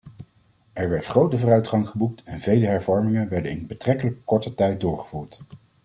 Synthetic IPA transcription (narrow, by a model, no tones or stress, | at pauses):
ɛɹʋɛɹtχrowtəvʊːrœɥtχɑŋχəbuk̚tʰɛnvejləɦɛɹvɔɹmɪŋənʋɛɹdənɪnbətrɛkələkːɔɹtətɛjt̚dʊːɹχəv̥uːɹt